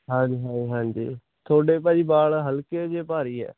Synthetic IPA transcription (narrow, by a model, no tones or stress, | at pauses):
ɦãːɲd͡ʒiɦãːd͡ʒiɦãːɲd͡ʒḭː | t̪ʰoːɽeːpaːiːbaːɭɦəlkeːd͡ʒeːpaːɾiːɛ̰ː